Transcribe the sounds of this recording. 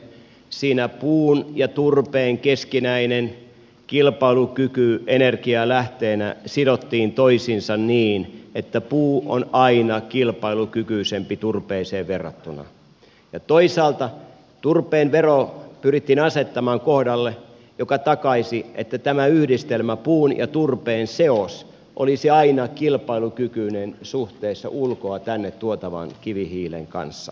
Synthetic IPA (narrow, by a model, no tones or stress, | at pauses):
siːnæpuːnjɑt̪urpeːŋkeskinæinen | kilpɑilukykyenerkiɑlæht̪eːnæsidot̪ːiːnt̪oisinsɑnniːnet̪ːæpuːʔo̰nɑinɑkilpɑilukykyːsempit̪urpeːseːʋʋerːɑ̰t̪ːunɑ̰ | jɑt̪oisɑːlt̪ɑ | t̪urpeːnʋeropyrit̪ːinɑset̪ːɑmɑːŋkohdɑlːe | jokɑt̪ɑkɑisiʔet̪ːæt̪æmæyhdist̪elmæpuːnjɑ̰t̪urpeːnseos | ʔolisiɑinɑkilpɑilukykyːnensuht̪eːsːɑ̰ʔulkoɑt̪ænːet̪t̪uot̪ɑʋɑ̰nkiʋihiːlḛŋkɑ̰nsːɑ̥